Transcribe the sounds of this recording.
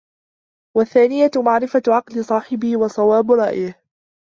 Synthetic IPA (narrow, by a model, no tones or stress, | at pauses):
waθːaːnɪjamaʕɾɪfaʕɑqlɪsˤɑːħɪbɪhwɑsˤɑwaːbɾˤɑʔjɪh